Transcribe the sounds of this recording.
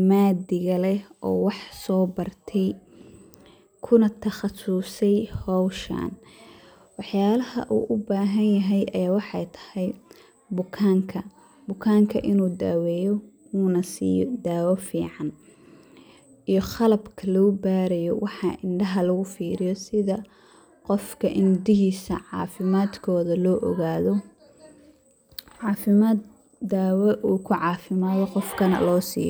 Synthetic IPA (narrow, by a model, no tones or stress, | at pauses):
maːd̪ɪɣɐlɛʔɔ̰ːwɑħsɔːbɐrt̪ʰɛj | kʰʊnɐt̪ʰɐχɑsʊsɛjhɔːʃa̰ːn | wɑħjaːlɐhɐ̰ʔṵːʔʊbaːɦɐnjɐɦɛjɐjaːwɑħɑjt̪ʰɐ̥hɛj | bʊkʰaːŋkʰɐ | bʊkʰaːŋkʰɐʔɪnuːd̪a̰ːwɛːjɔ | uːnɐsḭːjɔ̰d̪aːwɛfiːʕɑn | ijɔχɐlɐbkʰɐlɔːbaːɾɛjɔwʔɑħɑʔɪɳɖɐɦɐlɐɣʊfiːɾɪjɔsɪðɐ | qɔfkʰɐʔɪnmʊd̪ɪɦiːsɐ̰ʕɑ̰ːfɪmaːd̪kʰɔːðɐlɔːʔɔ̰ɣaːðɔ | ʕɑːfɪmaːd̪ | d̪aːwɛʔuːkʰʊʕɑːfɪmaːðɔqɔfkʰɐnɐ̰lɔːsḭːjɔ